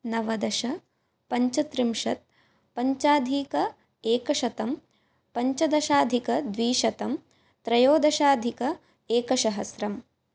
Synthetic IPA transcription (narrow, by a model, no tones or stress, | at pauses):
nɐʋɐd̪ɐʃɐ | pɐɲt͡ʃɐt̪ɾimʂɐt̪̚ | pɐɲt͡ʃaːd̪ʱiːkɐ | eːkɐʂɐt̪ɐm | pɐɲt͡ʃɐd̪ɐʃaːd̪ʱikɐd̪ʋiːʃɐt̪ɐm | t̪ɾɐjoːd̪ɐʃaːd̪ʱikɐ | eːkɐʃɐɦɐsɾɐm